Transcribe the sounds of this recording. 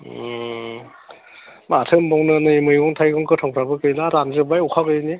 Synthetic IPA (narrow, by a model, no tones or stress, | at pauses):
matʰɯmbɔwnɯnɯimɯjɡɔŋtʰajɡɯŋkʰɯtʰɔŋpʰɾabɯkɯjlaɾanzɯbajukʰakɯjɯni